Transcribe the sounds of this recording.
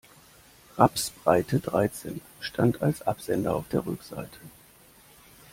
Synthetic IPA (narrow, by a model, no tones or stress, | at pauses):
ʁapsb̥ʁaɪtʰədʁaɪt͡sḛːn | ʃtʰantʰa̰lsʔapz̥ɛndɐaʊfd̥eːɐʁʏ̰kz̥a̰ɪtʰə̥